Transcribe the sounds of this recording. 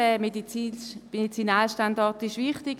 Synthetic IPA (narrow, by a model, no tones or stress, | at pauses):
ɛmediimedit͡sinaːlʃtandɔʁtɪʃʋɪχtɪk